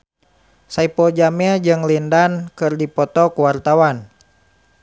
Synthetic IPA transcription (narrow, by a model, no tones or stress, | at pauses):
saipɔd͡ʒaməd͡ʒɨŋlindankɨrdipɔt̪ɔkuwart̪awan